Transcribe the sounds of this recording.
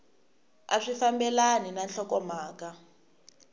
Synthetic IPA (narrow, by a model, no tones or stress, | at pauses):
aʂifambɛlaninanɬɔkɔmaːka